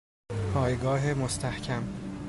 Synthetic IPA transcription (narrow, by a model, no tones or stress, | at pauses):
pʰɒːjɡɒːɦemost̪ʰæhcʰæm